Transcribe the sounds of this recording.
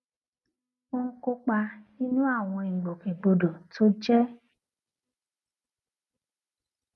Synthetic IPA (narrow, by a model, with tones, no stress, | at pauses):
o˦ŋ̩˦ko˧k͡pa˧nĩ˦nũ˦a˦˨w̃ɔ̃˧i˨ɡ͡bo˨kẽ˨ɡ͡bo˧do˨tʰo˦d͡ʒɛ˦